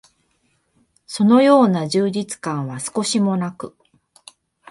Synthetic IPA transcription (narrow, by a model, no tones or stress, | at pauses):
so̞no̞jo̞ːnaʑɨːd͡ʑit͡sɨ̥kãɰ̃βasɨ̥ko̞ɕimo̞nakɯ̟